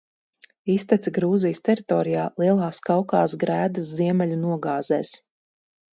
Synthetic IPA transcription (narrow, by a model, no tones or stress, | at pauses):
ist̪ɛt̪siɡɾuːzijst̪ɛɾit̪ɔːɾijaːlˠiɛlˠaːskawka̰ːsɡɾæːd̪ɐsziɛmɛlʲunuɔɡaːzɛːs